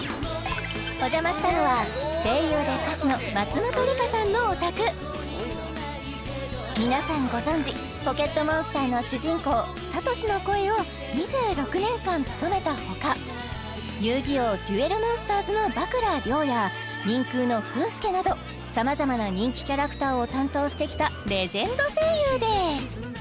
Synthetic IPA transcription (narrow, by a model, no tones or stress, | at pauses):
o̞ʑamaɕi̥t̪ano̞βase̞ːjo̞ːd̪ek̪aɕino̞mat͡sɨmot̪o̞ɾʲikasãnːo̞ːt̪akɯ̟ | mʲinasãŋɡo̞zõ̞ɲ̟d͡ʑi | po̞ke̞t̪ːo̞mõ̞ɰ̃sɨ̥t̪aːno̞ɕɨʑĩŋko̞ː | sat̪o̞ɕino̞ko̞e̞o̞ | ɲ̟iʑɨːɾo̞kɯ̟nẽ̞ŋkãnt͡sɨ̥t̪o̞me̞t̪aho̞ka | jɯːɡʲioːdʲɯe̞ɾɯ̟mõ̞ɰ̃sɨ̥t̪aːzɨno̞bakɯ̟ɾaɾʲo̞ːja | ɲ̟ĩŋkɯ̟ːno̞ɸɯ̟ːsɨ̥ke̞nad̪o̞ | samazamanaɲ̟ĩŋkʲi̥kʲaɾakɯ̥t̪aːo̞t̪ãnt̪o̞ːɕi̥t̪e̞kʲi̥t̪aɾe̞zẽ̞nd̪o̞seːjɯːd̪e̞sɨ̥